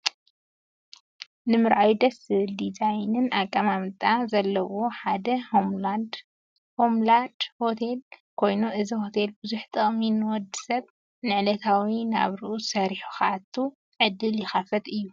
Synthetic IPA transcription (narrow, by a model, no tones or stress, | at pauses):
nɨmɨɾʔawid̪ɐsɨld̪izajnɨnakʼːamamɨt̪ʼazɐlːɐwoħad̪ɐhomlad | homland̪̥ho̞t̪ʰe̞lkʰo̞jnuʔɨziho̞t̪ʰe̞lbɨzuħt̪ʼɨχʼminɨwɔd̪ːi̥sɐβ | nɨʕlɐt̪ʰawina̰βɾɨʔusɐɾiħu̥xaʕat̪ʰːu | ʕɨd̪ːɨljɪxafɐt̪ʼɨjːu